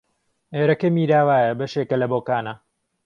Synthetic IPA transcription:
eːɾɐkemiːɾaːwaːjɐbɐʃeːkɐlɐboːkaːnɐ

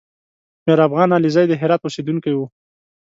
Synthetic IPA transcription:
meɾafɣɑnɑlizɑjd̪əɦɪɾɑt̪̚wused̪uŋkajwu

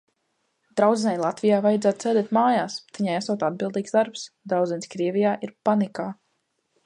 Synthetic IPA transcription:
d̪ɾawd̪zʲɛnʲajlˠat̪vijaːvajɛd̪zaːt̪̚t̪ɛːd̪ɛt̪maːjaːst̪iɲajasɔt̪ad̪̚bilˠd̪iːɡsd̪aɾpsd̪ɾawd̪zɛnʲskɾiɛvʲijaːʔiɾpanikaː

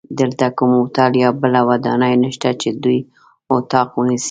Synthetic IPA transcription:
d̪əlt̪akumʊt̪ɑljɑbəlawad̪ɑ̰najnəʃt̪at͡ʃed̪uj | ʊt̪ɑqwənisi̥

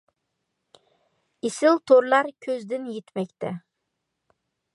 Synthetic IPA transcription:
isɪlt̪ʰoɾlˠɑɾkʲʰɵzd̪ɪnjet̪mɛkʲt̪ʰɛ

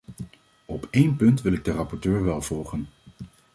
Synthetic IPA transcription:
ɔpejnpɵntʋɪlɪɡ̚dərɑpɔɹtøːɹʋɛlˠv̥ɔlˠχən

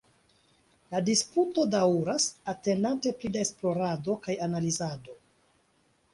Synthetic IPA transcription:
ladisputo̞daɾasate̞ndante̞plidae̞splo̞ɾado̞kajanalizado̞

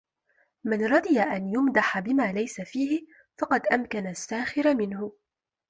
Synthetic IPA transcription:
manɾˤɑd̪ˤɪjaʔanjʊmd̪aħabɪmaːlajsafiːhɪ | fɑqɑd̪ʔamkanasːaːxɪɾamɪnhʊ

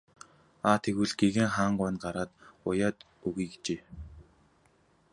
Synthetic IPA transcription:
aːt̪ʰeɣŭɮɡeɣeːŋχaːɴɢʊːnɢaɾaːt̪ʊjaːt̪ | uɣiːkt͡ɕeː

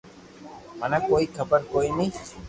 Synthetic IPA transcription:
manakojkʰəbəɾkojni

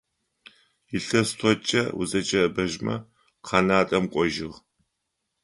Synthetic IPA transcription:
jɪɬɐst̪ʰɔt͡ʃʼɐwʊ̰zɐt͡ʃʼɐbɐʒmɐ̰ | qʰɑːnaːtʼɐmqʷʼɔʒɪʁ

